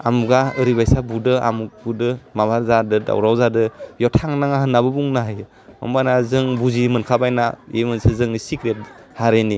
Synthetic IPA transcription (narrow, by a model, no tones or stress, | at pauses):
a̰muɡaɯɾibajsabudɯa̰mubudɯmabaɾzadɯda̰wɾawzadɯjɔtʰaŋnaŋahɯnːaβɯbuŋnaɦaj | ɔ̰mbanazɯŋbuzimɯnkʰabajnaemɯnsazɯŋnisikɾet̚haɾeni